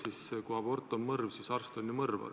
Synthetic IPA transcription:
siskuɑbo̞rt̪ːˑonmɤrvsisɑrst̪onʲːjumɤrvɑ̰

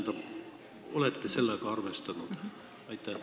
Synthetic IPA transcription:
nd̪ɑp | o̞let̪ːese̞lːekɑɑrvest̪ɑnud̪̥ | ɑjt̪ːˑɑ

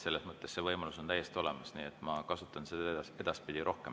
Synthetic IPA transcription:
se̞lːesmɤt̪ˑːe̞sːevɤjmɑluso̞nt̪æjːe̞st̪io̞le̞mɑsniːet̪ːˑmɑkɑsut̪ːˑɑnsed̪e̞d̪̥ɑspid̪̥iɾo̞hkem

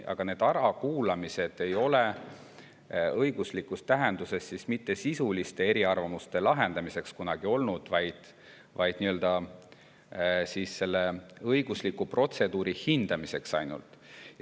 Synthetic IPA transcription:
ʔɑ̰ɡ̥ɑne̞ːd̪̥ɑɾɑkuːlɑmise̞d̪̥e̞jo̞le | ɤjɡ̥uslikːˑust̪ːæɦe̞nd̪use̞sːismit̪ːe̞sisulist̪e̞e̞ɾiɑrvɑmust̪e̞lɑɦe̞nd̪̥ɑmise̞kskunɑɡ̥io̞lnud̪̥vɑjd̪̥ | vɑjd̪̥niø̞ld̪̥ɑ | siːsse̞lːe̞ɤjɡ̥uslikːˑupro̞t̪se̞d̪̥uːɾihind̪̥ɑmise̞ksɑjnṵlt̪ˑ

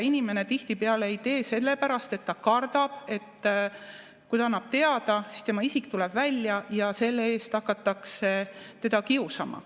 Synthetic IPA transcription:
inime̞ne̞t̪iht̪ipeɑleejt̪e̞ːse̞lːe̞pæɾɑst̪e̞t̪ːɑkɑrd̪̥ɑb̥e̞t̪ː | kujt̪ɑɑnːɑb̥̚t̪e̞ɑd̪̥ɑsi̥st̪e̞mɑisikt̪ulɛb̥vælʲjɑjɑse̞lːee̞ːst̪ɑkːˑɑt̪ːˑɑkse̞t̪e̞d̪̥ɑkiusɑmɑ̰

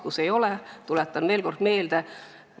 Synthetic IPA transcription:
kuse̞jo̞let̪ulet̪ːˑɑnveːlko̞rd̪̥me̞ːld̪̥e

